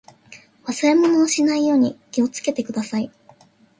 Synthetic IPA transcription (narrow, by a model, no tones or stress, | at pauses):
βasɨɾe̞mo̞no̞ːɕinaijo̞ːɲ̟ikʲio̞t͡sɨ̥ke̞t̪e̞kɯ̟d̪asai